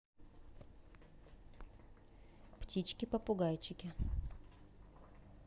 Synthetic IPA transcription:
ptʲit͡ɕkʲɪpɐpʊɡajt͡ɕɪkʲɪ

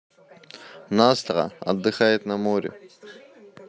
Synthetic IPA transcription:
nɑːst̪ʁɑ̰a̰d̪ːɨxɑːjet̪namoːɾḛ

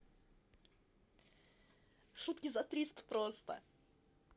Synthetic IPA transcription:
ʂut̪kʲɪzat̪ɾʲist̪pɾost̪ə̰

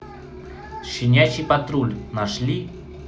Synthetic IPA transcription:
ʃɪnʲat͡ɕipat̪ɾulʲnaʂlʲi

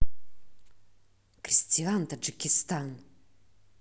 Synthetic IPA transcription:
kʰrisʲtʰʲiant̪ʰad͡ʒikʲɪst̪ʰan

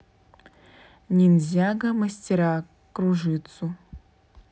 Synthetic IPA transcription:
nʲinʲzʲaɡɐmɐsʲtʲɪɾa | kɾuʐɨt̪su

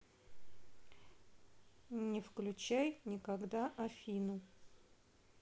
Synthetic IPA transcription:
nʲɪfklʲʉt͡ɕæjnʲɪkɐɡd̪aʔɐfʲinʊ

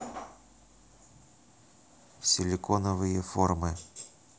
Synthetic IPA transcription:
fsʲɪlʲɪkonəvɨjəformɨ

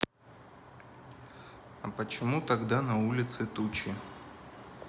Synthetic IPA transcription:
ɐpət͡ɕɪmut̪ɐɡd̪anɐulʲɪt̪sɨt̪ut͡ɕɪ

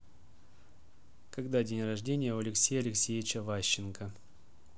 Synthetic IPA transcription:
kɐɡd̪adʲenʲrɐʐdʲenʲɪjəʊɐlʲɪksʲejɐlʲɪksʲejʲɪt͡ɕəvaɕːɪnkə

